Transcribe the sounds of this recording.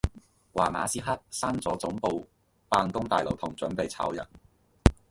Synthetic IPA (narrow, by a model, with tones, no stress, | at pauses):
wa̰ː˨˩ma̰ː˨˥siː˥ɦɐː˥t̚saː˥nt͡sɔː˨˥t͡sʊ˨˥ŋpo˨˧w | paː˧nkʊ˥ŋt̪aː˨jlo˨wt̪ʰʊ˨˩ŋt͡sɵ˨˥npe˨jt͡sʰa̰ː˨˥wjɐ̰˨˩n